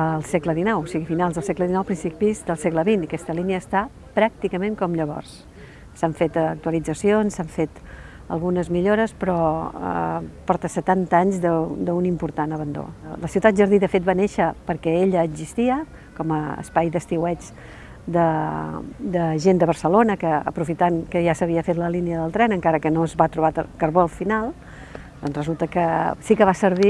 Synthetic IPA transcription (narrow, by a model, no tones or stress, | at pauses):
lˠsɛɡləðinɔwosiɣifinalzðəlˠsɛkləðinɔwpɾinsipizd̪əlˠsɛɡləβinəkɛst̪əliniəːst̪a | pɾak̚t̪ikəmẽŋkɔmʎəβɔ̰rs | saɱfet̪ːk̚t̪uəlid͡zəsionsaɱfet̪ | ə̰lˠɣunəzmiʎoɾəspɾɔ̰ | pɔɾt̪əsət̪ant̪əaɲzðəd̪əunimpuɾt̪anəβənd̪o̰ləsiuwt̪at̪̚ʒəɾðiðəfet̪̚baneʃəpəɾkɛeʎəːɡzist̪iə | kɔməə̰spajðəst̪iwɛt͡ʃ | d̪ə | d̪əʒend̪əβəɾsəlonəkəə̰pɾufit̪ankəʒasəβiəfet̪ləliniəðəlˠt̪ɾɛnəŋkaɾəkənoəzβat̪ɾuβa̰kəɾβɔlˠfinalˠ | d̪̥ɔnzrəzulˠt̪əkəsikəβasəɾβ̞i